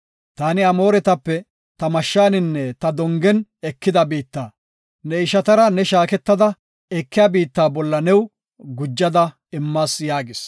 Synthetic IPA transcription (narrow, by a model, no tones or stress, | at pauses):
t̪aːnɪɐmo̞ːɾɛt̪ɐpːɛ | t̪ɐmɐʃːaːnɪnːɛt̪ɐd̪ɔŋɡɛnɛkːɪd̪ɐbiːt̪ːaː | nɛɪʃɐt̪ɐɾɐnɛʃaːkɛt̪ːɐd̪ɐ | ɛkːɪjaːbiːt̪ːaːbɔlːɐnɛw | ɡʊd͡ʒːɐd̪ɐ | ɪmːaːsjaːɡɪs